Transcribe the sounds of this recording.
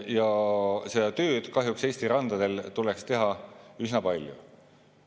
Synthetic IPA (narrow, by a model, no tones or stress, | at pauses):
jɑse̞d̪̥ɑt̪ø̞ːd̪̥kɑɦjukse̞ːsʲt̪iɾɑnd̪̥ɑd̪e̞lt̪ulekst̪e̞ɦɑysnɑpɑlʲjṵ